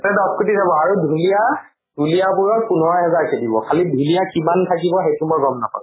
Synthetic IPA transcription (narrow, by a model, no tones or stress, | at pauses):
tɛdɔskɹutizabɔaɹudʱulija | dʱulijapʊɹɔpunɔɔɦɛzaɹkedibɔ̰kʰalidʱulijakimantʰakibɔxejtumɔjɡɔmnɔ̰kɔ̰